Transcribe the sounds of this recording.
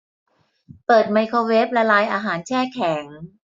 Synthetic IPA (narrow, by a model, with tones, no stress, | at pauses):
pɤː˨˩t̪̚ma˧jkʰoː˧weː˦˥p̚la˧laː˧jʔaː˧ɦaː˩˦nt͡ɕʰɛː˥˩kʰɛː˩˦ŋ